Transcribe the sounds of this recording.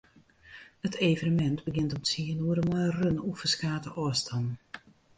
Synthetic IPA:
ətʰeːvənəmɛntbəɡɪntɔmtsiənuəɾəmɔjərønufəskaːtəʔɔəstʰan

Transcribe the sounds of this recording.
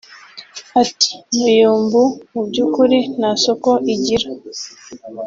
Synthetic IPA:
ati̥mujuːmbumubɟuːkuɾinaso̞ko̞ʔiɟiɾa

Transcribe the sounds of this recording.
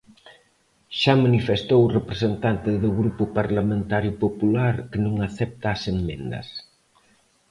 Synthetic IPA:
ʃamanifest̪owrepɾesent̪ant̪ɪðʊɣɾupʊpaɾlamẽnt̪aɾjʊpopulaɾkɪnõŋaθɛp̚t̪aːsemmẽnd̪ɐ̰s

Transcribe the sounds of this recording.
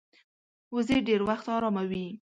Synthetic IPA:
uzeɖeɾwaxt̪ɑɾɑmawi

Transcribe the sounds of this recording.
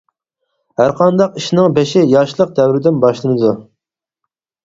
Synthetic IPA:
hæɾqʰɑnd̪ɑqiʃnɪŋbeʃɪjɑʃlˠəq̚d̪ɛwɾɪd̪ɪnbɑʃlˠɨnɨd̪u

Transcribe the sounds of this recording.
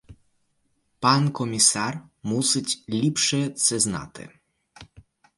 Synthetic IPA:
pankɔmʲisarmusɨt͡ɕʲlʲipʂɛt̪sɛzna̰t̪ɪ̰

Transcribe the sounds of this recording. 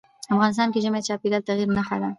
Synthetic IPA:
afɣɑnɪst̪ɑnkeʒəmet͡ʃɑped̪alt̪aɣiɾnaxad̪a

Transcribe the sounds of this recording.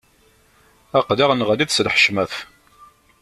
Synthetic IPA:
æqðiʁənʁəliðslħə̥ʃmæθ

